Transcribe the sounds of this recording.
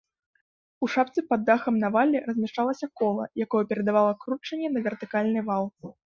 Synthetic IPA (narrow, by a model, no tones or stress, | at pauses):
uʂap̚t̪sɨpɐd̪ːaxɐmnavalʲːɛrɐzʲmʲɛʂt͡ʂalˠɐsʲɐkɔlˠɐ̰jakɔjɛpʲɛɾɐd̪avalˠɐkɾut͡ʂɐnʲːɛnɐvʲɛrt̪ɨkalʲnɨvalˠ